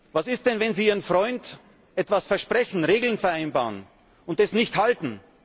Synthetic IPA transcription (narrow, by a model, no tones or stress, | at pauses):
vasɪst̚d̥ɛnvɛnziːiːʁənfʁɔʏnd | ʔɛtv̥asfɛɐʃpʁ̥ɛçn̩ʁeːɡl̩nfɛɐʔaɪnbaːʁən | ʊnt̚d̥esnɪçthaltn̩